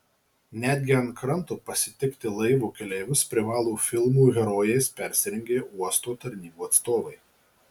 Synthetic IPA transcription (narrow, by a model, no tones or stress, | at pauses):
nʲæd̪ʲɡʲɪɐnkɾɐnˑt̪uːpɐsʲɪt̪ʲɪkt̪ʲɪlˠɐɪʋuːkʲɛlʲɛːʋʲʊspʲɾʲɪʋɑːlˠuːfʲɪlˠmuːɣʲɛɾoːjɛɪspʲɛˑɾʲsʲɪɾʲɛŋʲɡʲeːuɔst̪oːt̪ɐɾʲnʲiːbuːɐt̪st̪oːʋɐɪ